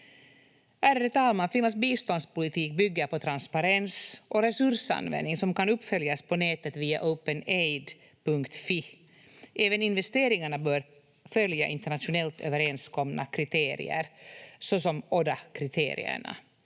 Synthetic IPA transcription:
ʔæɾɾɛt̪ʰɑːlmanfɪnasbiːst̪ɔnd̪spʊlɪt̪ʰiːk̚bʏɡːəpɔt̪ʰɾanspaɾɛnsʔɔɾɛsɵɾʂa̰nvɛ̰nːɪŋsɔmkanɵpːfœljaspʰɔneːt̪ət̪viːa̰ʔœʊpənejd̪ | pʰɵŋkt̪fi | ʔeːvənɪnvɛst̪eːɾɪŋaɳabœːɾ | fœljaʔɪ̰nt̪əɳat̪ʂʊnɛlt̪ʰø̰ːvəɾɛnskʰɔmna̰kʰɾɪt̪ʰeːɾɪ̰ə̰ɾsɔsɔmoːd̪akʰɾɪt̪ʰḛːɾɪ̰ə̰ɳa̰

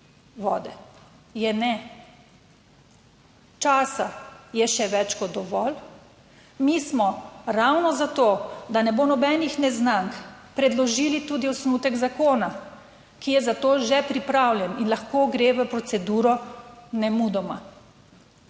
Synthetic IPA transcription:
ʋɔ̰ːd̪ɛ | jɛnɛ | t͡ʃaːsajɛʃɛʋɛt͡ʃkɔɔʋɔl | mismɔɾawnɔzat̪oːd̪anɛbonɔbɛnixnɛznaŋkpɾɛd̪lɔʒiːlit̪uːd̪iɔsnut̪ɛɡzakoːna | kijɛzat̪oːʒɛpɾipɾawljɛninlaxkoːɡɾeːʋəpɾɔsɛd̪uːɾɔnɛmud̪ɔma

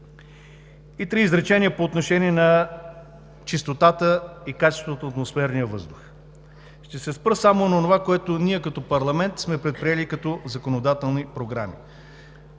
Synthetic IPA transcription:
it̪ɾiːzɾɛt͡ʃɛniəpoːt̪noʃɛniɛnɐ | t͡ʃist̪ot̪at̪əikat͡ʃɛ̥st̪vot̪oːt̪mosfɛɾnijəvɤzd̪ʊx | ʃt̪ɛsɛspɾəsamonɐonovakoɛt̪oniɛkɐt̪ɔpɐɾlˠɐmɛnt̪smɛpɾɛt̪̚pɾiɛlikɐt̪ɔzɐkonod̪at̪ɛlˠnipɾoɡɾa̰mḭ

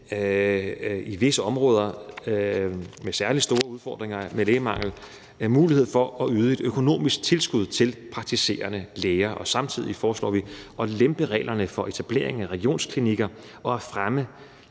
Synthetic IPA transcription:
iʋe̝səɒ̽mʁɔ̽ːð̞ˠɐ | mesæɐli̥sd̥o̝ːɐuð̞ˠfɒ̰ːd̥ʁeŋɐmeleːmɑ̈ŋ̰l̩ | muːlihe̝ð̞̰ˠfɒ̽ʔɒ̽yːð̞ˠe̝d̥økʰo̝no̝̰ːmisɡ̥̚t͡sʰe̝lsɡ̥uð̞̰ˠt͡sʰe̝lpʰʁɑ̈ɡ̥̚t͡sʰise̝̰ːɐnəleːɪɐʔɒ̽sɑ̈mt͡sʰið̞̰ˠifɒːslɒ̰ːʋiʔɒ̽lemb̥əʁɛ̰ːlɐnəfɒ̽ʔe̝t͡sʰæb̥le̝̰ɐe̝ŋæʁɛɡ̥io̝̰ːnskʰliniɡ̥ɐ | ʔɒ̽æfʁamə

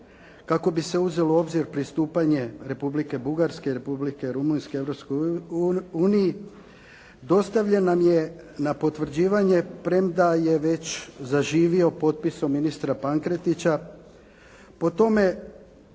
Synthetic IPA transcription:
kako̞bise̞uze̞lo̞o̞bziɾpɾist̪uːpaɲe̞ɾe̞publike̞buɡaɾske̞ɾe̞publike̞ɾumunske̞e̞ʋɾo̞psko | uːniji | d̪o̞st̪aʋʎenːamje̞ | napo̞t̪ʋr̩d͡ʑiːʋaɲe̞pɾe̞md̪aje̞ʋe̞t͡ɕzaʒiːʋio̞po̞t̪̚piso̞mːinist̪ɾapaŋkɾe̞t̪it͡ɕa | po̞t̪o̞me̞

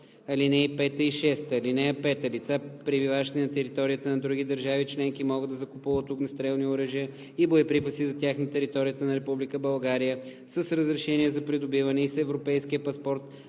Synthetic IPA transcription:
ɐlinɛipɛt̪əiʃɛst̪əːlinɛɐpɛt̪əlit̪sapɾɛbivavəʃt̪ɛnɐt̪ɛɾit̪ɔɾijət̪ənɐd̪ɾuɡ̟id̪əɾʒavit͡ʃlɛŋkimɔɡɤd̪ɐzɐkʊpuvət̪ʊknɐst̪ɾɛlˠnioɾəʒiə | ibojɐpɾipəsizɐt̪ʲjaxnit̪ɛɾit̪ɔɾijət̪ənɐɾɛpublikəbɐlˠɡaɾijə | səsɾəzɾɛʃɛniɛzɐpɾid̪obivɐnɛisɛvɾopɛjsk̟iəpɐspɔɾt̪

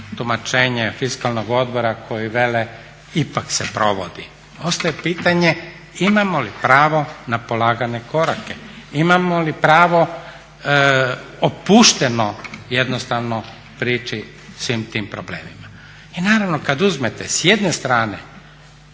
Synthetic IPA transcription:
t̪umat͡ʃeːɲefiskalnoɡo̞d̪bo̞ɾakʰo̞jiʋele | ipaksepɾo̞ʋod̪i | o̞st̪ajepiːt̪aɲe̞ | imamolipɾaːʋo̞napolaːɡane̞ko̞ɾake | imamolipɾaːʋo̞ | opuːʃt̪enoje̞d̪nost̪aʋno | pɾiːt͡ʃi | sʋimt̪iːmpɾoblḛːmima | inaːɾaʋnokad̪uzmet̪esje̞d̪ne̞st̪ɾaːnḛ

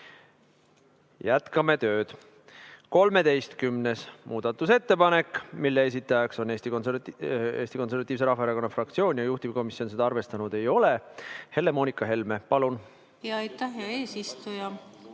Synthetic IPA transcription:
jæt̪kɑme̞t̪ø̞ːd̪̥ | ko̞lme̞d̪e̞jst̪kymne̞smuːd̪̥ɑt̪ːˑuse̞t̪ːe̞pɑne̞kːˑmilːees̬it̪ːˑɑjɑkso̞neːst̪ikoneeːst̪iko̞nse̞rvɑt̪ːˑiːvs̬e̞ɾɑfɑeɾɑko̞nːɑfrɑk̚t̪sio̞ːnʲjɑjuht̪iviko̞misio̞nsed̪̥ɑɑrve̞st̪ɑnud̪̥e̞jo̞le̞he̞lːe̞mo̞ːnikˑɑɦe̞lme̞pɑlun | jɑɑjt̪ːˑæhjɑe̞ːsist̪ujɑ

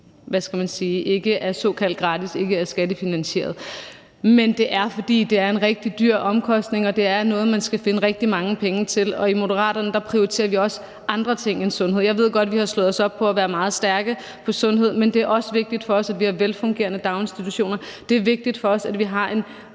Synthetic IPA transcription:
ʋæsɡ̥æmænsiːʔe̝ɡ̥əʔæɐsɔ̰̽ːkʰæl̰d̥̚ɡ̥ʁɑ̈ːd̥ise̝ɡ̥əæɐsɡ̥æd̥əfinænɕe̝̰ːɐð̞ˠ | mend̥e̝ʔæɐfɒ̽d̥ḭːd̥e̝æɐe̝nʁɛɡ̥̚d̥id̥yɐ̰ɒ̽mkʰɒ̽sd̥ne̝ŋɒ̽d̥e̝æɐnɔ̽ːð̞̩ˠmænsɡ̥æfe̝nəʁɛɡ̥̚d̥imɑ̈ŋəpʰeŋət͡sʰe̝lɒ̽imo̝dəʁɑ̰̈ːɾ̥ɐnəd̥ɑ̈pʰʁioʁit͡sʰe̝̰ːɐʋiɒ̽sə | ʔɑ̈nd̥ʁɐt͡sʰe̝ŋ̰ensɔ̽nɦe̝ð̰ˠjɑ̈ɪe̝ð̰ˠɡ̥ɒ̽d̥ʋihɑ̈slɔ̽ð̞̩ˠɒ̽sɒ̽b̥̚pʰɒ̽æʋæːɐmɑ̈ːð̩ˠsd̥æɐɡ̥ə | pʰɒ̽sɔ̽nɦe̝ð̞̰ˠmend̥e̝æɐʔɒ̽səʋe̝ɡ̥̚d̥id̥fɒ̽ɒ̽sædʋihɑ̈ʋelfɔ̽ŋɡ̥e̝̰ːɐnəd̥ɑ̈ʊnsd̥it͡sʰuɕo̝̰ːnɐd̥e̝æɐʋe̝ɡ̥̚d̥id̥fɒ̽ɒ̽sæd̥ʋiɦɑ̈ʔe̝n

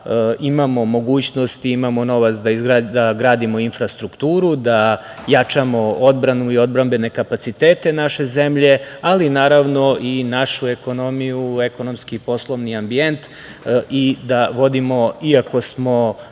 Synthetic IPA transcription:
imamo̞mo̞ɡuːt͡ɕno̞st̪iimamo̞no̞ʋat̪sd̪aizɡɾad̪aɡɾaːd̪imo̞infɾast̪ɾukt̪uːɾud̪a | jat͡ʂamo̞od̪bɾanuio̞d̪̚bɾambe̞ne̞kapat̪sit̪eːt̪e̞naʃe̞ze̞mʎe̞alinaːɾaʋno̞ʔinaʃue̞ko̞no̞mijueko̞no̞mskipo̞slˠo̞ʋniambie̞nt̪ | id̪aʋo̞d̪imo̞iako̞smo̞

